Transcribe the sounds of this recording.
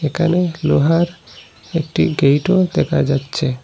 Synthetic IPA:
ekʰaneloɦaɾ | ek̚ʈiɡejʈod̪ɛkʰad͡ʒatːt͡ʃʰe

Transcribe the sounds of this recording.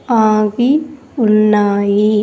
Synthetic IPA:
aːʋi | ʊnːaːji

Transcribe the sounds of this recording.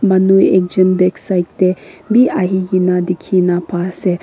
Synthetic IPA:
manujek̚d͡ʒənbɛksajk̚debiʔaɦijinad̪ikʰinapasɛ

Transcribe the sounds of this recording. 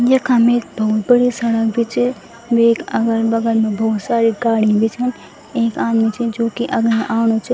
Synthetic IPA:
jɐkamet̪bɐɦʊt̪bɐɽisɐɽəkbʱit͡ʃi | ʋeːkɐɡəɾbɐɡəlmẽbɔːt̪saːɾiɡaːɽibʱit͡ʃʰɐn | eːkaːd̪mit͡ʃʰid͡ʒoːkiʔɐɡneʔaːñot͡ʃʰi

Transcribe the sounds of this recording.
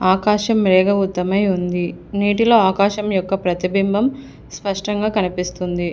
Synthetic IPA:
aːkaːʃɐmɾɛːɡɐut̪ːɐmɐjund̪iniːʈ̬ilo̞ːaːkaːʃɐmjɔkːɐpɾɐt̪ibimbʱɐm | spɐʂʈɐŋɡaːkɐnipist̪und̪i

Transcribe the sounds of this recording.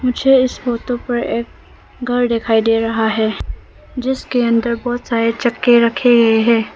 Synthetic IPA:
mʊd͡ʒʱeɪsfoːt̪õpɐɾeːk̚ | ɡʱɐɾd̪ekʰaːid̪eːɾɐɦaɦɛː | d͡ʒɪskeɐ̃nd̪əɾbɔːt̪saːɾet͡ʃɐkːeɾɐkʰeɡɐeɦɛ̃ː

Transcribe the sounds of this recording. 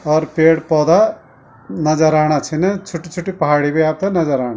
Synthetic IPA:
ɔːɾpeːɽpɔːd̪a | nɐd͡ʒəɾaːɽ̃at͡ʃʰinɐt͡ʃʰuʈːit͡ʃʰuʈːipɐɦaːɽibiaːp̚t̪ɐnɐd͡ʒəɾaːɳ̃a

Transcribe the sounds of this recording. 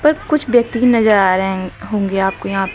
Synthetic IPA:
pɐɾkʊt͡ʃʰbjɐk̚t̪iinɐzəɾaːɾɦɛ̃ɦõːŋɡeaːp̚kojɐɦãːp

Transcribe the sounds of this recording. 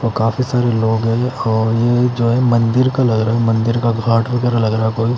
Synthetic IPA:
toːkaːfisaːɾeloːɡɦɛ̃ɔːɾjed͡ʒoːɦɛmɐ̃nd̪ɪɾkalɐɡɾaːɦɛmɐ̃nd̪ɪɾkaɡʱaːʈbɐɡɛːɾalɐɡɾaːɦɛkoːi

